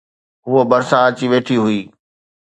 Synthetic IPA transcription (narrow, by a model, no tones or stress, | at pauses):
ɦʊobɐɾsãɐt͡ɕiʋeːʈʰiɦʊiː